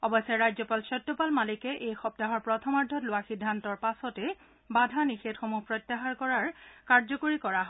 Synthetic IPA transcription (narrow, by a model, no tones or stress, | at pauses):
ɔbɔsɛɹajzɔpalsɔtːɔpalmalikɛʔejxɔp̚taɦɔɹpɹɔtʰɔmaɹdʱɔtlʊwaxidʱːantɔɹpasɔtɛ | badʱanixetxomuhpɹɔjtːaɦaɹkɔɹaɹkaɹzɔkoɹikɔɹaɦɔ